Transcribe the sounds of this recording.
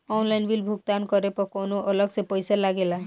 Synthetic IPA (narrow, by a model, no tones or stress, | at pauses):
ɔnlajnbilbʱuɡ̚t̪ankɔɾepɔkonoʔɔlɔɡsepɔjsalaɡela